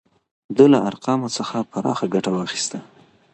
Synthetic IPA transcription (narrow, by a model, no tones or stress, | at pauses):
d̪əlaaɾqɑmot͡səxapaɾɑ̰xaɡaʈawɑxi̥st̪a